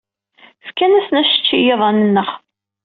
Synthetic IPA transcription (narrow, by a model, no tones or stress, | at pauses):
fkænæsnæʃə̥t͡ʃːijeðˤnənːəχ